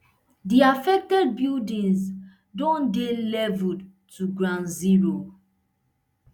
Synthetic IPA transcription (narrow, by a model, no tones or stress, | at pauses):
diafɛk̚tɛd̚bildĩns | dɔ̃ndelɛvu | tʰuɡɹãnziɹo